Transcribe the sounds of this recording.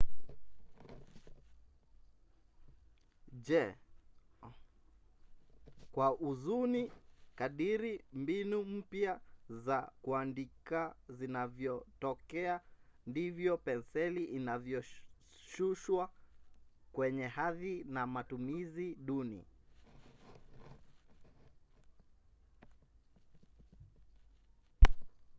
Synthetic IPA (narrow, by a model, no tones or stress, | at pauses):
ʄɛ | kwaʔuzunikaɗiɾimbinum̩pjazakuandikazinavjɔtɔkɛandivjɔpɛnsɛliʔinavjɔ | ʃuʃwa | kwɛɲɛhaðinamatumiziɗunḭ